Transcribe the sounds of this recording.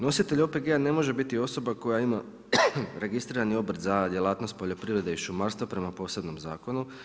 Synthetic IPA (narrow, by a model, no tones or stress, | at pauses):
no̞sit̪eʎʲo̞pe̞ɡeane̞mo̞ʒe̞bit̪io̞so̞bako̞jaima | ɾe̞ɡist̪ɾiːɾanio̞bɾd̪zad̪je̞lˠaːt̪no̞st̪̚po̞ʎo̞pɾiʋɾe̞d̪eiʃumaɾst̪ʋopɾe̞mapo̞ːse̞bno̞mzaːko̞nu